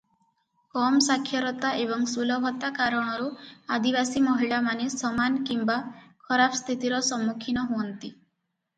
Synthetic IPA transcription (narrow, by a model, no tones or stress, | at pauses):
kɔmsakʰːjɔɾɔt̪aʔebɔŋsulɔbʱɔt̪akaɾɔɽ̃ɔɾuad̪ibasimɔɦiɭamanesɔmankimbakʰɔɾapʰst̪ʰit̪iɾɔsɔmːukʰinɔɦuɔnt̪i